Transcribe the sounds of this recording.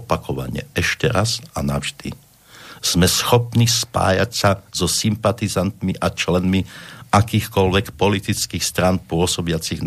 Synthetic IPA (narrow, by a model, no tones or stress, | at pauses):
pakɔʋa̰ɲɪɛ̰ɛʃcɛɾazanavʒd̪ḭ | z̥mɛsxɔpnispa̰ːja̰csazɔsimpat̪izant̪miʔat͡ʃlɛnmiakiːxkɔlʋɛkpɔlit̪it͡skiːxst̪ɾanpʊɔsɔbɪat͡siɣn